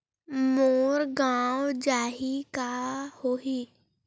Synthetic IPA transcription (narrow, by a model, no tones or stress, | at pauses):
moːɾɡãːwd͡ʒaːɦikahoːɦiː